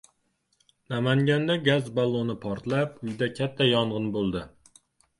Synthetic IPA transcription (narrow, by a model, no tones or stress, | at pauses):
nɑmaŋɡʲand̪ɛɡʲæzbɑlˠːonɪpʰɒɾt̪læpʊjd̪ɛkʲʰæt̪ʰːɛjɒɴʁɨnbolˠd̪ɪ